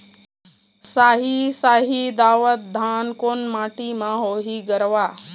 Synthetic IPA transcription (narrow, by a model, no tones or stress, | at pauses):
saːɦisaːɦid̪aːʋət̪̚d̪ʱaːnkoːnmaːʈimãɦoːɦiɡəɾʋaː